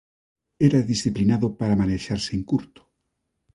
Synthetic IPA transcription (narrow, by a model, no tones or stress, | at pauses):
eɾaðisθiplinaðopaɾamaneʃaɾseeŋkuɾt̪ʊ̥